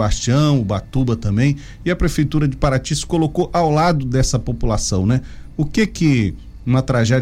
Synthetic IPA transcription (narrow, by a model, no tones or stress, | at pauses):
baʃt͡ʃiɐ̃w̃ʊbat̪ubɐt̪ɐ̃mbẽj̃ | ɪɐpɾefejt̪uɾɐd͡ʒɪpaɾat͡ʃiskolokoʔawlad̪ʊd̪ɛsɐpopulasɐ̃w̃nɛʊkekɪ | nɐt̪ɾaʒɛ